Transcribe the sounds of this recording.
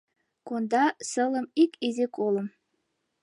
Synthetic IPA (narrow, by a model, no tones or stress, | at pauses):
kond̪ɑsə̆lə̆mikizekolə̆m